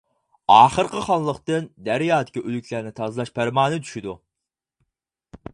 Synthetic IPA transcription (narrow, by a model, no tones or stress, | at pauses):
ɑːχəɾqʰəχɑlˠːəqt̪ɨnd̪æɾjɑːd̪ɪ̥kʲiʔølykʲʰlæɾnɪt̪ʰɑzɨlˠɑʃpʰæɾmɑːnɨt̪ʰy̥ʃid̪u